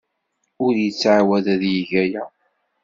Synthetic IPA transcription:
ʊɾjət͡sːʕawæðæðjiʝæjæ

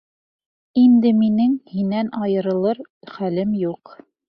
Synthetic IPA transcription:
ind̪ɘminɘŋhinːænɑjɤ̆ɾɤ̆lˠɤɾχælɘmjuq

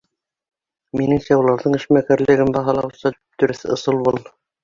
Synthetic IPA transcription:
minɘŋsæulˠɑɾðɤɴɘ̆ʃmækæɾlɘ̆ɡɘmbɑɦɑlˠɑwsɑ | t̪ɵ̆ɾɘθɘŏ̰sɤlˠbulˠ

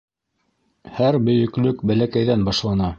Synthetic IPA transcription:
hæɾbɵ̆jɵ̆klɵkbælækæjðænbɑʃlˠɑnɑ

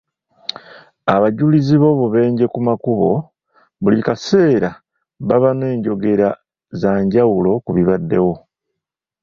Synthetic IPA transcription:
aβaɟuliziβo̞βuβe̞ːɲɟe̞kumakuβo̞ | βulikase̞ːɾa | βaβane̞ːɲɟo̞ɡe̞ɾa | zaːɲɟawulo̞kuβiβadːe̞wo̞

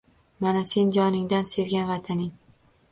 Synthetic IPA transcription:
manase̞nd͡ʒɒnɪŋd̪anse̞vɡʲanvat̪ʰanɪŋ

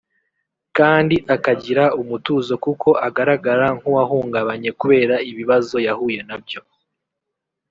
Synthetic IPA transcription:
kaːndiʔakaɟiɾaumutuːzo̞kukʰo̞ʔaɡaɾaɡaɾaŋ̥huwahuːŋɡaβaɲe̞kuβe̞ːɾaiβiβazo̞jahuːje̞nabjo̞

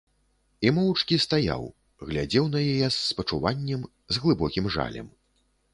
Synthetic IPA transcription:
imɔwt͡ʂkʲist̪aja̰w | ɣlʲad͡zʲɛwnɐjajɛsːpɐt͡ʂuvanʲːɛm | zɣlˠɨbɔkʲimʐa̰lʲɛ̰m

